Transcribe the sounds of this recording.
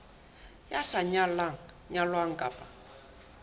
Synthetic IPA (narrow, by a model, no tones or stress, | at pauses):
jasaɲalaŋ̩ | ɲalwaŋ̩kʼapʼa